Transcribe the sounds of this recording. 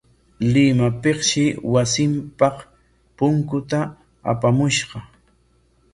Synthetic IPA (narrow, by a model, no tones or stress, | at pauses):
lɪmapeχʃɪwasɪmpɑχ | pʊŋkʊt̪a | a̰pamʊʃɢɑ